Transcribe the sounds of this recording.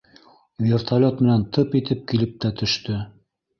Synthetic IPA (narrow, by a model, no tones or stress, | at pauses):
vʲert̪ʰalʲot̪mɘ̆nænt̪ʰɤpit̪ɘp̚kilɘp̚t̪æt̪ʰɵ̆ʃt̪ɵ